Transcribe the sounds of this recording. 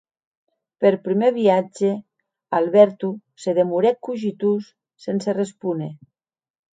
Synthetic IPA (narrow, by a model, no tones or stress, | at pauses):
peɾpɾimeβiad͡ʒe | alβɛɾt̪u | seðemuɾɛkuʒit̪usː | enserespune